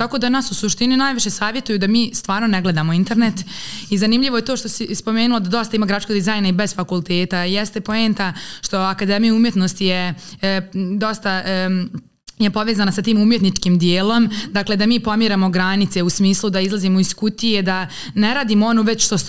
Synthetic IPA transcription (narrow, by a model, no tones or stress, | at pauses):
t̪ako̞d̪anasusuʃt̪ininaːjʋiʃe̞saːʋje̞t̪ujud̪amiːst̪ʋaːɾnoneɡled̪aːmoint̪e̞ɾnet̪izanimʎiʋojet̪o̞ːʃt̪o̞sispo̞meːnulod̪ad̪o̞st̪aimaɡɾat͡ʃkoɡd̪izajnaibe̞zfakulˠt̪e̞ːt̪ajɛst̪epo̞eːnt̪aʃt̪o̞akad̪emijaumje̞t̪no̞st̪je | d̪o̞st̪a | jepo̞ʋezanasat̪iːmumjet̪nit͡ʃkiːmd̪jeːlo̞md̪akle̞d̪amiːpo̞mjiɾamo̞ɡɾanit̪se̞usmiːslˠud̪aizlˠazimoiskut̪ije̞d̪a | neɾaːd̪imoo̞noʋe̞t͡ɕʃt̪o